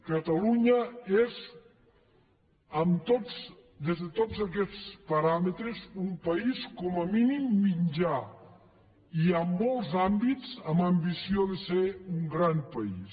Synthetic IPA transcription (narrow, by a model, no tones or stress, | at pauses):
kət̪aluɲəez | əmt̪o | d̪ezðet̪ozak̬ɛt͡spɐɾamet̪ɾezumpɐiskɔməminimːiɲd͡ʒa | iəmːɔlˠzambit͡səməmbisioðeseuŋɡɾampɐḭs